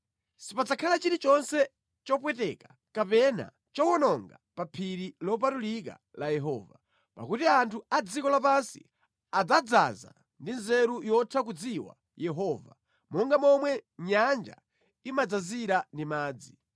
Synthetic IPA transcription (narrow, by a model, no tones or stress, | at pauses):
sipad͡zakʰalat͡ʃiɾit͡ʃɔnsɛ | t͡ʃɔpwɛtɛkḁ | kapɛna̰ | t͡ʃɔwɔnɔŋɡapapʰiɾilɔp̬atulika̰ | lajɛɦɔ̰ːva | pa̰kutiantʰuad͡zikɔlapansḭ | ad͡zad͡za̰za̰ | ndinzɛɾujɔtʰak̬ud͡ziwa̰ | jɛɦɔva̰ | mɔŋɡamɔmwɛɲand͡ʒa̰ | imad͡zaziɾandimaːd͡zi